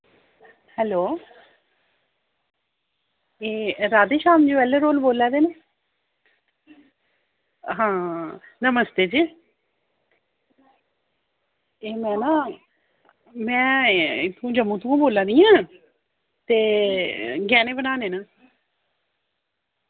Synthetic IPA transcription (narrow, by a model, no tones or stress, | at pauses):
hɛːloː | eːɾaːd̪eːʃaːmd͡ʒoːɛːlːeːɾoːlboːlaːd̪eːne | ɦãːnəməst̪eːd͡ʒiː | eːmɛ̃ːnãː | mɛ̃ːt̪ʰũːd͡ʒəmːũːt̪ũãːboːlãːd̪iːãː | t̪eː | ɡɛːnẽːbənaːneːnãː